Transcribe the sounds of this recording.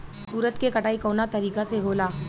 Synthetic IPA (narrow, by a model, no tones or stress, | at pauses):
suːɾət̪kekɐʈaːikoːnat̪ɐɾiːkaseɦoːlaː